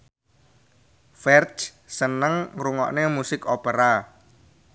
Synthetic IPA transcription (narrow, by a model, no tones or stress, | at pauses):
fɛrt͡ʃ | sənəŋɾuŋɔ̰ʔnemusɪkopəɾa